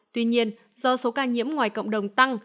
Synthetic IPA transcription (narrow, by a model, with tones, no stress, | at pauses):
t̪wi˧ɲi˧ən | zɔ˧so˨˦kaː˧˩ɲḭ˧˥əmŋwaː˨˩jkə̰˧˨wŋ͡mɗə˨˩wŋ͡mt̪a˧ŋ